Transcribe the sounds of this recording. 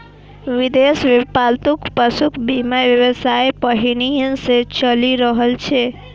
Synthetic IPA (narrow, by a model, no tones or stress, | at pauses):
ʋid̪esʋepalt̪ukpəsukʰbimaʋjəʋəsajpəɦiñijənset͡ʃəliɾəɦəlt͡ʃʰe